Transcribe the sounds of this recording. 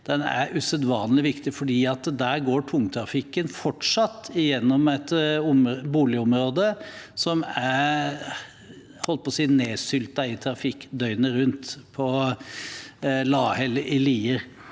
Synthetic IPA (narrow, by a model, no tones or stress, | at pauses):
d̪̥ɛnæ̰ɾʉsœd̪ʋɑːnlɪʋɪkt̪ɪfɔɖiːɑt̪d̪æːɾɡoːʈʰʊŋt̪ʰɾɑfɪkːənfɔʈʂɑt̪ːɪjɛnːɔmɛt̪ʊmbuːlɪʊmɾoːd̪əsɔmæɾ | hɔlːəpɔsiːneːsʏlt̪ɑɪt̪ʰɾɑfɪkːd̪œʏnəɾʉnt̪pʰɔ | lɑːhɛlʔɪliːəɾ